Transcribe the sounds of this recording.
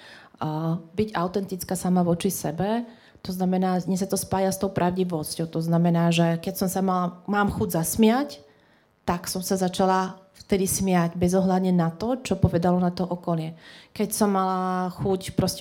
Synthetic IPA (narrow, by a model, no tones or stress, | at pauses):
biɟaʊt̪ɛnt̪it͡skaːsamaʋɔt͡ʃisɛbɛ | t̪ɔznamɛnaːɲɛsat̪ɔspaːjast̪ɔʊpɾʔaʊɟiʋɔscɔʊt̪ɔznamɛnaːʒɛkɛcsɔmsamalamaːmxuɟzasmɪac | t̪aksɔmsazat͡ʃalaft̪ɛd̪ismɪaɟbɛzɔɦlad̪ɲɛnat̪ɔt͡ʃɔpɔʋɛd̪alɔnat̪ɔʔɔkɔlnɪɛkɛcsɔmːalaxucpɾɔscɛ